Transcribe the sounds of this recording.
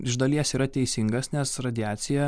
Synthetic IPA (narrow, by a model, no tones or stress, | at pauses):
ɪʒd̪ɐlʲiɛsiːɾɐt̪ʲɛɪsʲɪŋɡɐsnʲɛsɾɐd̪ʲɪæːt̪sʲɪjɛ